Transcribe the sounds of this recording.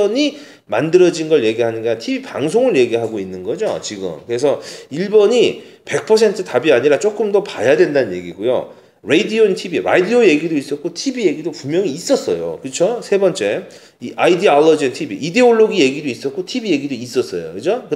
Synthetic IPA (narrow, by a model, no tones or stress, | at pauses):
ʌɲi | mandɯɾʌd͡ʑinɡʌɭje̞ɡiɦanɯnɡatʰibipa̰ŋsʰoŋɯɭje̞ɡiɦaɡoinːɯnɡʌd͡ʑo̰t͡ɕiɡɯ̰mkɯɾe̞s̬ʰʌiɭbʌɲipe̞k̚pʰʌs̬ʰe̞ntʰɯtabiaɲiɾat͡ɕ͈ok͈ɯmdʌpajadwe̞ndanɯnje̞̰ɡiɡojo̰ | ɾe̞idiointʰibiɾa̰dioje̞ɡidois͈ʌt̚k͈otʰibije̞ɡidopumjʌŋiːs͈ʌs͈ʌ̰jo̰kɯt͡ɕʰosʰe̞bʌnt͡ɕ͈e̞ | iʔaidialːʌd͡ʑintʰibiʔide̞oɭːoɡije̞ɡidois͈ʌt̚k͈otʰibije̞ɡidois͈ʌs͈ʌ̰jo̰kɯd͡ʑokɯ